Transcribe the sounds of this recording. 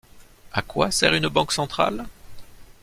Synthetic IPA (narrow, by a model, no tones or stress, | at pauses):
akwasɛ̰ʁynbɑ̃ksɑ̃t̪χa̰l